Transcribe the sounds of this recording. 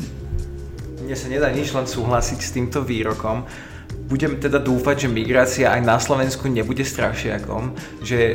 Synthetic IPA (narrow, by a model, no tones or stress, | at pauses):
ɲɛsaɲɛd̪aːɲid͡ʒlɛnsuːɦlasicst̪iːmt̪ɔʋiːɾɔkɔm | buɟɛmt̪ɛd̪ad̪uːfaɟʒɛmiɡɾaːt͡siaʔajnaslɔʋɛnskuɲɛbuɟɛst̪ɾaʃɪa̰kɔ̰m | ʒɛ